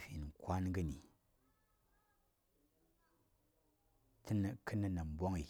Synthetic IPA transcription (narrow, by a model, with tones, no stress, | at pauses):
fʲi˨n˨ŋ̩˨kʰʷa˦nɡɨ˦ni˨ | tʰɨ˦nə˨kɨ˦nɨ˦na˨m˨bo˦ŋi˨